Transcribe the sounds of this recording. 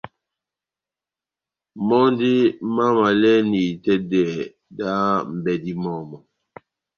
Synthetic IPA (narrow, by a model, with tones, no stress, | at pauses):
mɔ˦n˦di˦ma˦ma˨lɛ˦ni˨tɛ˦dɛ˨ | da˦m̩˨bɛ˦di˦mɔ˦˨mɔ˨